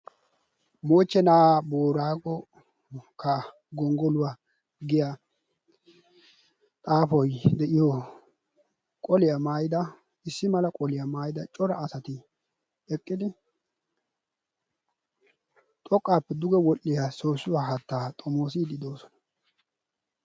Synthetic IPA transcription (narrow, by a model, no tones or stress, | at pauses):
moːt͡ʃːɛnaːboːɾaːɡɔ | kʰɐ | ɡɔŋɡɔlʊwa | ɡɪja | t̪ʼaːfɔjd̪ɛʔɪjɔ | kʼɔlɪjamaːjɪd̪ɐ | ɪsːɪmɐlɐkʼɔlɪjamaːjɪd̪ɐt͡ʃʼɔɾɐːsɐt̪ɪ | ɛkʼːɪd̪ɪ | t̪ʼɔkʼːaːpːɛd̪ʊɡɛwɔʔːɪjasoːsːʊwaːɦɐt̪ːaːt̪ʼɔmoːs̬id̪ɪd̪o̞ːsɔ̥nɐ̥